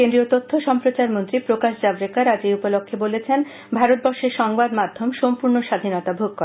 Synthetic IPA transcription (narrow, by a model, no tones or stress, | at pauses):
kend̪ɾiot̪ot̪ʰːoʃɔmpɾot͡ɕaɾmont̪ɾipɾokaʃd͡ʑabɾekaɾad͡ʑeupolokʰːebolet͡ɕʰen | bʱaɾot̪̚bɔɾʃeɾʃɔŋbad̪mad̪ʱːomʃompuɾnoʃad̪ʱinɔt̪abʱoɡ̚koe